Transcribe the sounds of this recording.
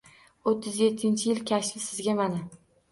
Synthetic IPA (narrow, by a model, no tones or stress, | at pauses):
ot̪ʰːɪzjet̪ʰːɪnt͡ʃʰɪjɪlkʲʰaʃlɪsɪzɡʲamana